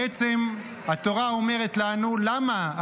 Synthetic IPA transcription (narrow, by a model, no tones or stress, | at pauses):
et͡se̞m | hat̪o̞ʁao̞me̞ʁet̪lanulama